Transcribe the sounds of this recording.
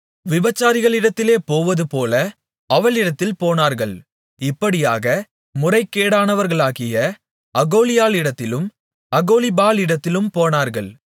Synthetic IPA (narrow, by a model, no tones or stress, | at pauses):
ʋɪbɐt͡ʃːaːɾɪɣɐɭɪɽɐt̪ːɪleːpoːʋɐðɯpoːlɐ | ʔɐʋɐɭɪɽɐt̪ːɪlpoːnaːɾɣɐɭ | ɪpːɐɽɪja̰ːɣɐ | mʊrɐɪkːeːɽaːnɐʋɐɾɣɐɭaːɣɪjɐ | ɐɣoːlɪjaːlɪɽɐt̪ːɪlɯm | ɐɣoːlɪbaːlɪɽɐt̪ːɪlɯmpoːnaːɾɣɐɭ